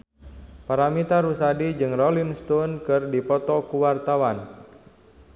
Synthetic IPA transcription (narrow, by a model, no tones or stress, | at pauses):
paɾamit̪aɾusadid͡ʒɨŋrɔlinst̪unkɨrdipɔt̪ɔkuwart̪awan